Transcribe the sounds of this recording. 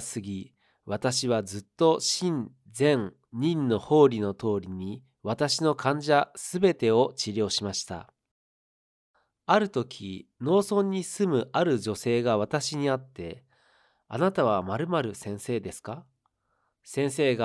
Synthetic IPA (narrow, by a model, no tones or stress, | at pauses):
sɨɡʲi | βat̪aɕiβazɨt̪ːo̞ɕĩn | d͡zẽ̞ŋ | ɲĩnːo̞ho̞ːɾʲino̞t̪o̞ːɾʲiɲ̟i | βat̪aɕino̞kʰãɲ̟d͡ʑasɨbe̞t̪e̞o̞t͡ɕiɾʲo̞ːɕimaɕi̥t̪a̰ | aɾɯ̟t̪o̞kʲʰino̞ːsõ̞ɲ̟ːisɨmɯ̟ʔaɾɯ̟d͡ʑo̞se̞ːɡaβat̪aɕiɲ̟iat̪ːe̞ | a̰nat̪aβ̞amaɾɯ̟maɾɯ̟sẽ̞ɰ̃se̞ːd̪e̞sɨ̥ka | sẽ̞ɰ̃se̞ːɡa